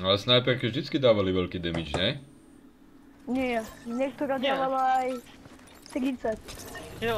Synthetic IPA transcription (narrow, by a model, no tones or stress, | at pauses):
alɛsnajpɛɾkɛʒd̪it͡skid̪aːʋaliʋɛlkiːd̪ɛmit͡ʃɲɛ | ɲɛɛɲɛk̚t̪ɔɾaːd̪aʋalaaj | t̪ɾit̪t͡ssat̚